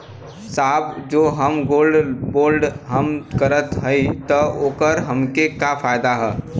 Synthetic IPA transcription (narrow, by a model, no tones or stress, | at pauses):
saːbd͡ʒoːɦəmɡoːlɖboːlɖɦəmkəɾət̪ɦəit̪əoːkəɾɦəmkekafʰaːjd̪aɦɛː